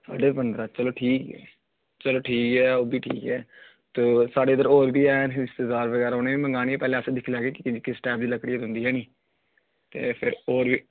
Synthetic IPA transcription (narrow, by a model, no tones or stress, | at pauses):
sa̰ːɖeːpənd̪ɾaːt͡ʃəloːʈʰiːkɛ̰ː | t͡ʃəloːʈʰiːkɛːoːbʱiːʈʰḭːkɛː | t̪oːsaːɖeːəd̪əɾɔːɾbʱiːɛːnɪst̪ɪzaːɾbəɡɛːɾaːɦoːneːbiːmə̃ŋɡaːniːeːpɛːlẽːəsd̪ɪkʰilɛːɡeːkɪkɪsʈɛːp̚d̪iːləkɽiːɦʊ̃nd̪iːɦɛːniː | t̪ḛːpʰɪɾoːɾbiː